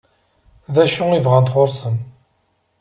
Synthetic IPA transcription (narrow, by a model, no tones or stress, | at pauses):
ðæʃuivʁænt̪χoɾsən